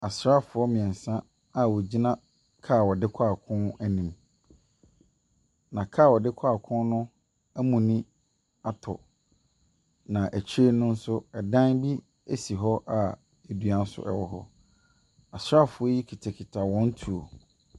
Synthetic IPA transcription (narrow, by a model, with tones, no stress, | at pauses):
a˨sɾa˦˨fʊ˨ɔ˦mɪ̃˨ɛ̃˨n˨sã˦ | a˨wɔ˨d͡ʑi˦nã˦ | kʰa˦˨wɔ˨dɪ˦kʷʰaː˦˨kʰʊ̃˦næ˦nĩ˨m | nã˨kʰaː˦˨wɔ˨dɪ˦kʰa˦˨kʰʊ̃˦nnʊ̃˦ | æ˦mũ˨nĩ˦ | a˦tʰɔ̰˨ | nã˨ʔæ˨t͡ɕʰi˦e˦nʊ̃˦n̩˦sʊ˦ɛ˨dã˦nbi˦ | e˦si˨ɦɔ˦ʔa˨ | e˨dɥa˦n˦sʊ̰˦ʔɛ̰˨wɔ˦ɦɔ̰˦ | a˨sɾa˦˨fʊ˨ɔ˦ji˦kʰi˨tʰa˨kʰi˨tʰa˨wɔ̃˦n˦tʰu˨o̰˨